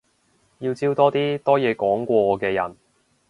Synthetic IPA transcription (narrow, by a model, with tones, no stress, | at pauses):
jiː˧wt͡siː˥wt̪ɔː˥t̪iː˥t̪ɔː˥jɛː˨˧kɔː˨˥ŋkʷɔː˧˨˧kɛː˧jɐ̰˨˩n